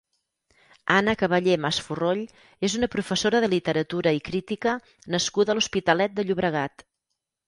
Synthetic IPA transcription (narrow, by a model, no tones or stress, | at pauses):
anəkəβəʎemasfuroʎ | ezunəpɾufəsoɾəðəlit̪əɾət̪uɾəikɾit̪ikə | nəskuðəluspit̪əlɛt̪̚d̪əʎuβɾəɣ̞at̪